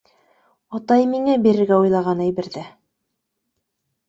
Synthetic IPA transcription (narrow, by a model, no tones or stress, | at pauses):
ot̪ɑjmiŋæbiɾɘ̆ɾɡæujlˠɑʁɑnæjβɘ̆ɾðɘ